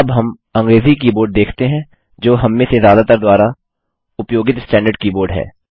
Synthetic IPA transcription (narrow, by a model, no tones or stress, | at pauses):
ɐbɦɐm | ɐ̃ŋɡɾeːzik̬iːboːɾɖ̚d̪eːkʰt̪eɦɛ̃ | d͡ʒoːɦɐmːẽsezjaːd̪at̪əɾd̪waːɾa | ʊpjoːɡɪt̪sʈɛ̃ːɳɖəɾɖ̚kiːboːɾɖɦɛ̰ː